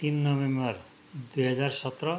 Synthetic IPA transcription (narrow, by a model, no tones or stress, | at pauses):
t̪inːɔβembaɾ | d̪ujɦad͡ʑaɾʃɔt̪ɾo